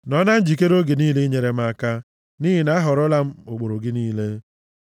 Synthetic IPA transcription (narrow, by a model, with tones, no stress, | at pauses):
nɔ˦na˦n̩˦d͡ʒi˨k̬e˦ɾo˦ɡe˨niː˦le˦ɲe˨ɾe˦m̩˦a˦ka˦ | niː˦ɦi˨na˦ɦɔ˨ɾʊ˦la˦m̩˦o˨k͡po˨ɾo˨ɡɪ˦niː˦le˦